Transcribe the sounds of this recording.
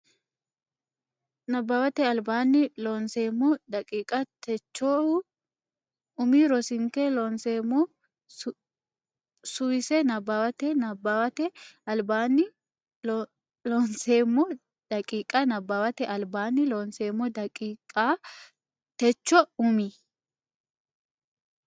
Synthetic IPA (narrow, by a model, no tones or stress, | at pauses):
nɐbːaːwɐt̪ɛɐlbaːnːɪloːnseːmːɔd̪ɐkʼiːkʼɐt̪ɛt͡ʃːoː | ʊmiɾɔsɪŋkɛloːnseːmːɔ | sʊwɪsɛnɐbːaːwɐt̪ɛnɐbaːwɐt̪ɛɐlbaːnːɪ | loːnseːmːɔ | d̪̥ɐkʼiːkʼɐnɐbaːwɐt̪ɛʔɐlbaːnːɪloːnseːmːɔd̪ɐkʼiːkʼa | t̪ɛt͡ʃːɔʊmi